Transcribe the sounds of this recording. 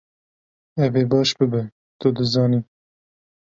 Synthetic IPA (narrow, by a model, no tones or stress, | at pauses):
ɛveːbɑːʃbɨbɛ | t̪ʊd̪ɨzɑːniː